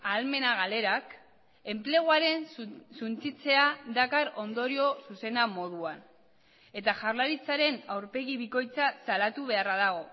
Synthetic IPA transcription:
alme̞naɣale̞ɾak | e̞mple̞ɣ̞waɾe̞nsunt͡sit͡se̞ad̪akaɾo̞nd̪o̞ɾio̞suse̞namo̞ðuan | e̞t̪aʝarlaɾit͡saɾe̞nawɾpe̞ɣiβiko̞jt͡sasalat̪uβ̞e̞araðaɣ̞o̞

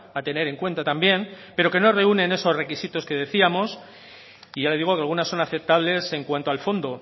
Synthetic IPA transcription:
at̪e̞ne̞ɾe̞ŋkwe̞nt̪at̪ambje̞m | pe̞ɾo̞ke̞no̞re̞unẽ̞ne̞so̞zre̞kisit̪o̞ske̞ðe̞θiamo̞s | iʝale̞ðiɣ̞o̞kealɣ̞unasːo̞naθe̞p̚t̪aβ̞le̞se̞ŋkwant̪oalfo̞nd̪o̞

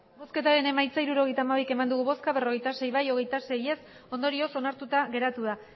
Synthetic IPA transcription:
bo̞ske̞t̪aɾe̞ne̞majt͡saiɾuɾo̞ɣe̞jt̪amaβ̞ike̞mand̪uɣuβo̞skaβe̞ro̞ɣ̞e̞jt̪ase̞jβajo̞ɣ̞e̞jt̪ase̞je̞s | o̞nd̪o̞ɾio̞so̞naɾt̪ut̪aɣe̞ɾat̪uð̞a

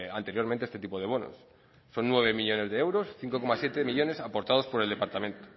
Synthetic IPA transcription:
a̰nt̪e̞ɾjoɾmẽnt̪eest̪e̞t̪ipo̞ð̞e̞β̞o̞no̰sː | o̞nːwe̞β̞e̞miʎo̞ne̞zðeewɾo̞sθiŋko̞ko̞masje̞t̪emiʎo̞ne̞sapo̞ɾt̪aðo̞spo̞ɾeld̪e̞paɾt̪amẽ̞nt̪o̥

